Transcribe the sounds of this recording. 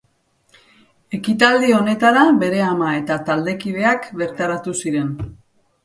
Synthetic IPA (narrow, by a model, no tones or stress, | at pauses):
e̞kit̪ald̪io̞ne̞t̪aɾabe̞ɾe̞amae̞t̪at̪ald̪e̞kiðe̞akβe̞ɾt̪aɾat̪usiɾe̞n